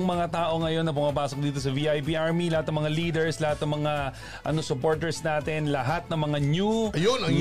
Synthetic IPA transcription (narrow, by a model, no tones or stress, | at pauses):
ŋmɐŋat̪aːʔo̞ŋɐjo̞nːɐpʊmɐpaːso̞k̚d̪iːt̪o̞sɐviːʔajbiʔaɹmilɐhat̪nɐŋmɐŋaliːd̪ɛɹslɐhat̪nɐŋmɐŋa | ʔɐnosʊpo̞ɹt̪ɛɹsnaːt̪ɪnlɐɦat̪̚nɐŋmɐŋaɲuɐjonɐŋ